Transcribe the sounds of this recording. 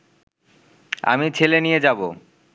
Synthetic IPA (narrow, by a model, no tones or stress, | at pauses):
a̰mit͡ɕʰelenijed͡ʑabo̰